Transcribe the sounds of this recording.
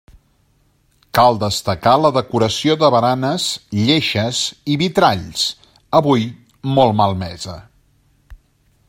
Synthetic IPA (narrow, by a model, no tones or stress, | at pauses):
kalˠd̪əst̪əkaləðəkuɾəsioðəβəɾanəzʎeʃəziβit̪ɾaʎs | əβuj | mɔlˠmalˠmɛzə̰